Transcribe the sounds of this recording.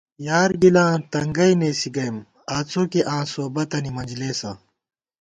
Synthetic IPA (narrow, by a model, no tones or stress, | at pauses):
jaːɾɡilãːt̪ɐŋɡɐineːsiɡɐjm | aːt͡sʰoːkeʔãːsoːbɐt̪ɐnimɐnd͡ʑleːsã̰